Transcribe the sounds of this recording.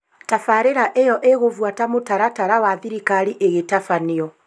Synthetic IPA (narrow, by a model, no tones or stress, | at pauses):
tafaɾeɾaʔejɔʔeɣovwatamotaɾataɾawaðiɾikaɾiʔeɣetafaniɔ